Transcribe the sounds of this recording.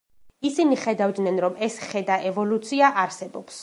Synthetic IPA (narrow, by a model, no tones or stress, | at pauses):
isiniχɛd̪avd̪nɛnɾɔmɛsχɛd̪aʔɛvɔlut̪sʰiaʔaɾsɛbɔps